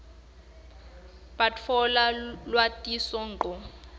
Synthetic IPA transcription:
patfɔlalwatʼisɔŋǃɔ

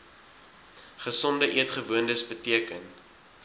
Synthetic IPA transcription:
χəsɔndəʔiətχəvuəndəsbətiəkən

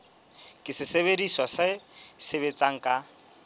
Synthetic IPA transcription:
kʼɪsɪseβediswasasɪβet͡sʼaŋ̩kʼa

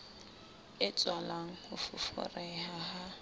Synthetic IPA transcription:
ɪt͡sʼwalaŋ̩hʊfʊfʊ̰rɛhaha

